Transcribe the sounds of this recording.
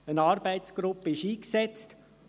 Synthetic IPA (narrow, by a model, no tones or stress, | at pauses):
ənɑːɾb̥æɪtsɡ̥ɾʊpːəɪʃiːksɛt͡st